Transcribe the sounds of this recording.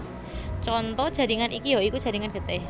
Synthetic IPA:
t͡ʃɔnt̪ɔd̥ʒ̥a̤diŋanʔikijoiku̥ʒ̥a̤ɾiŋanɡ̥ət̪eh

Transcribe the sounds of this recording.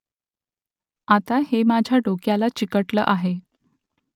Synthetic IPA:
at̪ahemad͡ʑʱjaɖokjalat͡ɕikəʈlə̰ːʔaɦe

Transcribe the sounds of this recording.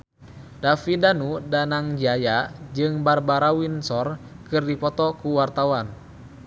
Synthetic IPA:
dafidanudanaŋd͡ʒajad͡ʒɨŋbarbaɾawinsɔr | kɨrdipɔt̪ɔkuwart̪awan

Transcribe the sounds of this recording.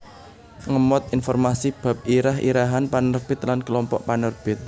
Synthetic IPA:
ŋəmɔt̪̚infɔrmasib̥a̤p̚iɾaɦʔḭɾaɦanpanərb̥ɪ̤t̪̚lankəlɔmpɔʔpanərb̥ɪt̪̚

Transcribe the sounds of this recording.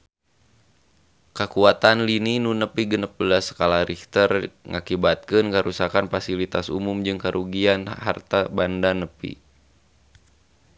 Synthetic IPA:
kəkuat̪anlininunəpiɡənəp̚bəlasə̥kalaɾiht̪ərŋakibat̪̚kɨnkəɾusakanfasilit̪asṵmumd͡ʒɨŋkəɾʔuɡianha̰rt̪abandanəpḭ

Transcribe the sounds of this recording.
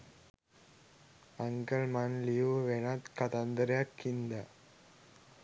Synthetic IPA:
ɐŋɡɐɭmanlijuʋenat̪kɐt̪ɐnd̪ɐɾjakːind̪a

